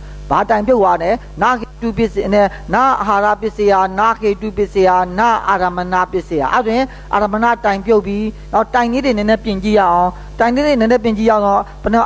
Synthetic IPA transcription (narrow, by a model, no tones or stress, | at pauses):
b̥atãɪ̃mpjoʊʔwanɛ | na̰kʰetupɪʔsnɛna̰ʔəɦaɾa̰pjɪʔsejanakʰetupɪʔsejana̰ʔaɾaməna̰pjɪʔseja̰ʔa̰twɪ̃ | ʔa̰ɾamna̰tãɪ̃mpjoʊpːjinaʊʔtãnedenɛ̃nɛpjɪ̃ɲt͡ɕḭja̰ʔãʊ̃ | tãɪ̃nedenɛ̃nɛpjɪ̃t͡ɕḭja̰d̪ɔ̃pən